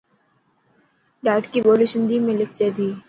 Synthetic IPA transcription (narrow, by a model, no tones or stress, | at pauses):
ɾaːɪʈkiboːliʃɪ̃nd̪imẽlɪfd͡ʒed̪iː